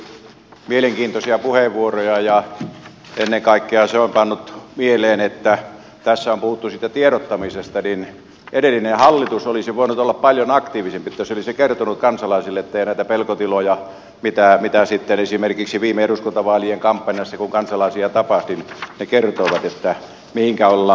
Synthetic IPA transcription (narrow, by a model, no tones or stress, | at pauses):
mieleŋkiːnt̪osiɑpuheʋʋuorojɑjɑ | enːeŋkɑˑikːeɑseompɑnːut̪mieleːnet̪ːæ | t̪æsːæompuhut̪ːusiːt̪æt̪ieɾot̪ːɑmisest̪ɑnin | ʔedelːinehɑlːit̪usolisiʋoˑinut̪olːɑppɑljonɑkt̪iːʋisempiet̪ːæjsolisekert̪onuk̪kɑnsɑlɑisilːeet̪ːeijænæˑit̪æpelkot̪ilojɑ | mit̪æmit̪æsit̪ːenesimerkiksiʋiːmeeɾuskunt̪ɑʋɑːlieŋkɑmpːɑnʲjɑsːɑkuŋkɑnsɑlɑisiɑt̪ɑpɑht̪innekert̪oiʋɑt̪et̪ːæ | mihiŋkæolːɑ